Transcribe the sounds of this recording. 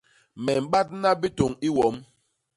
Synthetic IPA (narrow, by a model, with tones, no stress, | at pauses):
mɛ˨m̩˨ɓa˦t̚na˦bi˦to˨ŋi˦wɔ˨˦m